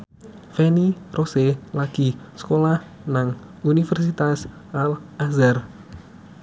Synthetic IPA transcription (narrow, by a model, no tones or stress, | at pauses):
feniroselaɡ̥isə̥kolah | naŋ | unifɛrsit̪as | ʔalazar